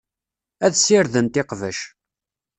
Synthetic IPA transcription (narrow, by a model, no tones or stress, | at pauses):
æðsɪɾðənt̪ɪqvə̰ʃ